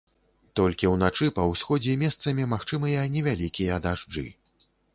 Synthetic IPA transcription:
t̪ɔlʲkʲiwnat͡ʂɨpɐwsʲxɔd͡zʲɛmʲɛst̪sɐmʲimaxt͡ʂɨmɨjɐnʲɛvʲalʲikʲijɐd̪aʐd͡ʐɨ̰

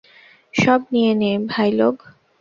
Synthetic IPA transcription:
ʃɔbnijenebʱajloɡ

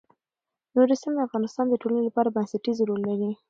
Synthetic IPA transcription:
noɾisimd̪afɣɑnɪst̪ɑnd̪əʈolanelapɑɾabansaʈizɾolːaɾi

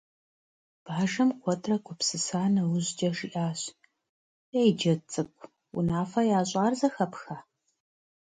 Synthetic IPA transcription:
b̥aːʒɐmkʷʰɔtʰrɐkʷʊpsɨsaːnɐwʊʑd͡ʒɐʂiʔaːɕ | ejd͡ʒɐt͡sʼɨkʷʰʼ | wʊ̰naːfɐjaːɕʼaːrzɐxɐpxaː

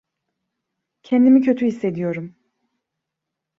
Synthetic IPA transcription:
cʰɛnd̪imicʰø̞t̪ʰyhisːe̞d̪ijo̞ɾum

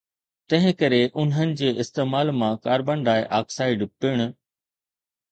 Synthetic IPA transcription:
t̪ɐ̃ɦɪ̃kɐɾeʔʊnɦənɪ̆d͡ʑeːʔɪst̪eːmaːlmãkaːɾbə̃ɳɖaːɪʔaːksaːɪɖpiːɽ̃ʊ

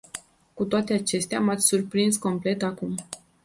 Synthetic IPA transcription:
kut̪oat̪e̞at͡ʃe̞st̪eamat̪sʲsurpɾinsko̞mple̞t̪akum

